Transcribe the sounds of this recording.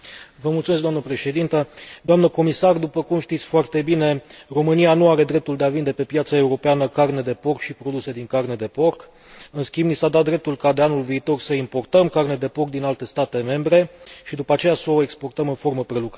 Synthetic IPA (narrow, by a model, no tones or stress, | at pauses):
vəmult̪sumes̬ɡd̪amnəpɾe̞ʃe̞d̪int̪əd̪oamnəko̞misard̪upəkumʃt̪it̪sʲfoart̪e̞bine̞ro̞mɨnijanuaɾe̞d̪ɾe̞p̚t̪uld̪eavind̪e̞pe̞pjat̪sae̞uɾo̞peanəkarne̞d̪e̞po̞rkʃipɾo̞d̪use̞d̪iŋkarne̞d̪e̞po̞rk | ɨnskʲimbnisad̪at̪̚d̪ɾe̞p̚t̪ulkad̪e̞anulviːt̪o̞rsəimpo̞rt̪əmkarne̞d̪e̞po̞rk̚d̪inalt̪e̞st̪at̪e̞me̞mbɾe̞ʃid̪upəat͡ʃe̞jasəoekspo̞rt̪əmɨnfo̞rməpɾe̞luk